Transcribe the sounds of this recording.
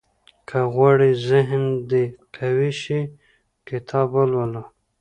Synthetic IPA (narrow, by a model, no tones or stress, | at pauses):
kʰaɣwɑɽizɪɦnd̪ekʰawiʃi | kɪt̪ʰɑbalwala